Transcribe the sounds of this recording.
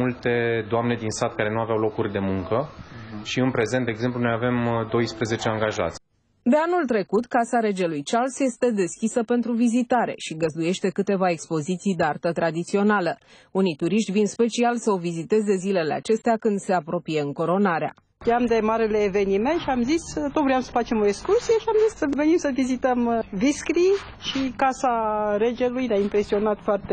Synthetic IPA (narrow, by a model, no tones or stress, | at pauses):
ult̪e̞d̪oamne̞d̪insat̪̚kaɾe̞nuaveawlo̞kurʲd̪e̞muŋkəʃiɨnpɾe̞ze̞nt̪d̪eɡze̞mplunojave̞md̪o̞jspɾe̞ze̞t͡ʃeaŋɡaʒa̰t̪sʲ | d̪e̞anult̪ɾe̞kut̪kasaɾe̞d͡ʒelujt͡ʃalsje̞st̪e̞d̪e̞skʲisəpe̞nt̪ɾuvizit̪aɾe̞̰ʃiɡəzd̪uje̞ʃt̪e̞kɨt̪e̞vae̞kspo̞zit̪sijd̪eart̪ət̪ɾad̪it̪sio̞nalə | unit̪uɾiʃt̪vinspe̞t͡ʃialsəo̞vizit̪e̞ze̞zile̞le̞a̰t͡ʃe̞st̪eakɨnd̪se̞apɾo̞pije̞ɨŋko̞ɾo̞naɾea̰ | t̪iamd̪e̞maɾeleːve̞niment̪ʃiamzist̪ot̪vɾujamsə̥fat͡ʃe̞mo̞ekskursieʃiamzissəvenimsəvizit̪əmviskɾi | ʃikasaɾe̞d͡ʒe̞lujneaimpɾe̞sio̞nat̪foart̪e